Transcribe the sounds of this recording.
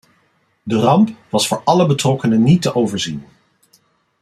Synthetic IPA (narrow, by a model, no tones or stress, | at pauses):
dərɑmpʋɑsfʊːɹʔɑləbətrɔkənənitəʔowvəɹzin